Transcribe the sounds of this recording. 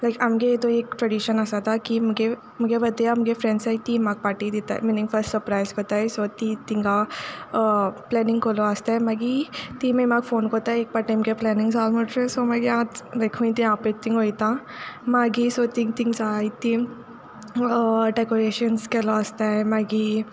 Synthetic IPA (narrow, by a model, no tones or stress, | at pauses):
laɪkamɡeet̪oeːkʈɾeɖiʃənəsat̪ʰakimuɡe | muɡebəd̪ijamɡefɾɛ̃nsait̪iːmaːɡ̚paːʈid̪it̪a̰ɛ̰minĩŋɡfəɾsʈsəɾpɾaɪzkot̪aɦɛsot̪it̪ĩŋɡa | plɛːnɪ̃ŋɡkoloəst̪aɛmaɡit̪immaɡfoːnkot̪aɦɛeːk̚paʈãmkeplɛːnɪ̃ŋɡsalmoʈɾesomaɡiãːt̪d̪ekʰũĩt̪iãpet̪ːiŋɡɦojt̪ã | maɡisot̪ĩŋɡt̪ĩŋɡsaːit̪ĩ | ɖekoɾeːʃənskeloəst̪aɦɛmaɡi